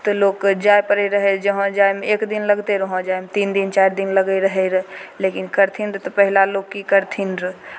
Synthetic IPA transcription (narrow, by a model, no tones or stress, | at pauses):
t̪oloːkd͡ʒaːepəɾəɾəɦed͡ʒəɦə̃d͡ʒaːemeeːkd̪inləɡt̪eɾəɦə̃d͡ʒaːemet̪iːnd̪int͡ʃaːɾd̪inləɡəɾəɦɛɾəleːkɪnkəɾt̪ʰindɾt̪ɔpəɦlaloːkːikəɾt̪ʰind̪ɾ